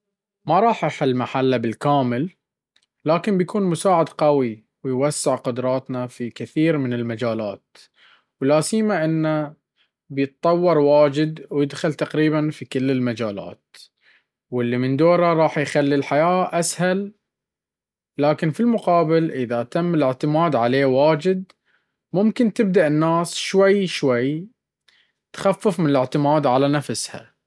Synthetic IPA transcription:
mɑɾˤɑːħʔaħɪlmaħalːabɪlkaːmɪlː | aːkɪmbjakuːnmʊsaːʕɪd̪qawi | wɪjwasːɪʕqʊd̪ɾˤɑːt̪nafikɪθiːɾmɪnɪlmad͡ʒaːla̰ːt̪̚ | wlaːsiːmaʔɪnːa | bjɨt̪̚t̪ˤɑwːɑɾˤwaːd͡ʒɪd̪wjɪd̪xalt̪aqɾiːbanfikɪlːɪlmad͡ʒaːla̰ːt̪ | wɪlːimɪnd̪oːɾaɾˤɑːħjxalːilħajaːʔashal | aːkɪnfilmʊqɑːbɪlʔɪðaʔt̪amːɪlɪʕt̪ɪmaːd̪ʕaleːwaːd͡ʒɪd̪̚ | mʊmkɪnt̪ɪb̚d̪aʔɪnːaːsʃwajʃwaj | t̪xafːɪfmɪnɪlɪʕt̪ɪmaːd̪ʕalanafsha̰

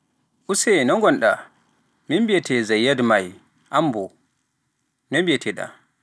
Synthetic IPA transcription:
ʔusɛnɔŋɡɔnɗa̰ | mimbiɛtʰɛzajːadmaj | ʔambɔ | nɛmbiɛtʰɛɗa̰

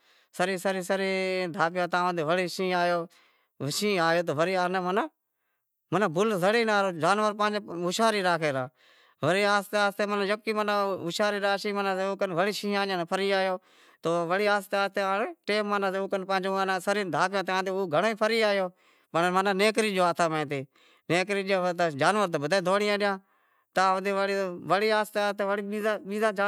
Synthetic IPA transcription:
səɾiːsəɾiːsəɾiːd̪ʱaːpjãːt̪ãːə̃d̪eːʋəɽiːʃĩːaːjoː | ʃĩːaːjoːt̪̬oːʋəɾiːaːneːmənaː | mənãːbʊlzəɽiːnaːɾoːd͡ʒaːnʋəɾpãːd͡ʒeʊʃaːɾiːɾaːkʰeːɾaː | ʋəɾiːaːst̪eaːst̪eːmənãjəkːiːmənãːʊʃaːɾiːɾaːʃiːmənãːseːoːkənʋəɽiːʃĩːãːãːnːpʰəɾiːaːjoː | t̪oːʋəɽiːaːst̪eaːst̪eːnːʈeːmmanãːt̪eːkənpãːd͡ʒoaːnãːsəɾiːd̪ʱaːpjãːt̪eãːd̪eoːɡʱəɳoːiːpʰəɾiːaːjoː | pəɳmənaːneːkɾiːd͡ʒoːaːt̪ʰaːmẽːt̪eː | neːkɾiːɗɪjãːt̪ad͡ʒaːnʋəɾt̪ebəd̪aːd̪ʱoːɽɪjãːɗɪjãː | t̪aːd̪eːʋəɽʋəɽiːaːst̪eaːst̪eːʋəɽiːiaɓiːzaːd͡ʒa

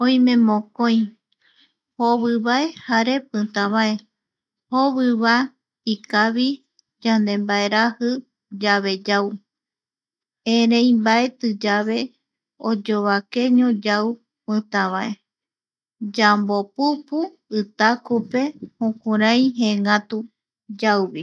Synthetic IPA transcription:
õj̃mẽ̞mõkõj̃ | hoβɨβae̞haɾe̞pɨ̃t̪ãβae̞ | hoβɨβa | ikaβi | d͡ʒand̪e̞mbae̞ɾahɨ | d͡ʒaβe̞d͡ʒaw | ẽɾẽj̃mbae̞t̪ɨd͡ʒaβe̞ | od͡ʒoβake̞ɲõd͡ʒaw | pɨ̃t̪ãβae | d͡ʒambo̞pupu | ɨt̪akupe̞hõkũɾãj̃ɦeŋãt̪u | d͡ʒawβi

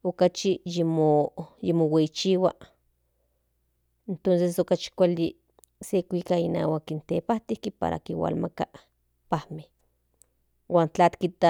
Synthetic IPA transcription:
okat͡ʃijimojimoweit͡ʃiwa | ent̪ons̬es̬okat͡ʃi̥kʷali | sekʷikaina̰ːwakint̪epaht̪ihkipa̰ɾa̰kiwa̰lmaka | pahmeh | wʔaːnt͡ɬat̪kit̪a

